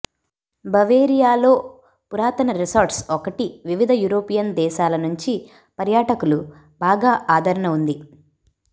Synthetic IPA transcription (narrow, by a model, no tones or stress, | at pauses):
bɐʋeːɾijaːlo̞ː | puɾaːt̪ɐnɐɾisaːɾʈsɔkɐʈiʋiʋid̪ʱɐjuːɾoːpijɐnd̪ɛːʃaːlɐnuɲt͡ʃi | pɐɾjaːʈɐkulu | baːɡaːʔaːd̪ʱɐɾɐɳɐund̪i